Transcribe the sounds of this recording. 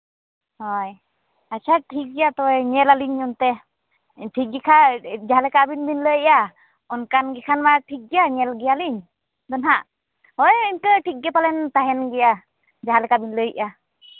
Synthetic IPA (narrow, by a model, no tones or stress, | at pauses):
hɔj | at͡ʃaʈʰik̚ɡɛjat̪ɔɛɲɛlaliɲɔnt̪ɛ | ʈʰik̚ɡɛkʰad͡ʒaɦalɛkabinbinləjʔa | ɔnkanɡɛkʰanmaʈʰik̚ɡɛjaɲɛlɡɛjaliɲ | d̪ɔnɦaʔ | hɔjiɲkəʈʰik̚ɡɛpalɛnt̪aɦɛnɡɛja | d͡ʒaɦalɛkabinləjʔa